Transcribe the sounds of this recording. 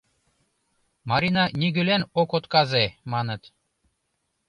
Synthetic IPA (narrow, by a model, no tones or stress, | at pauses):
mɑɾinɑnʲiɣølenokot̪kɑzemɑnə̆t̪